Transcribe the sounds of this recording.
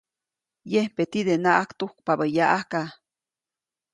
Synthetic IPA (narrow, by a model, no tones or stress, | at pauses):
jehpet̪id̪enaʔakt̪uhk̚pabəjaʔahka